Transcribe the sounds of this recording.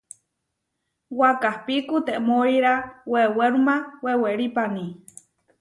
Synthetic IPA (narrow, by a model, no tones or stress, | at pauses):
wakahpikut̪eʔmoiɾaweweɾumaweweɾipani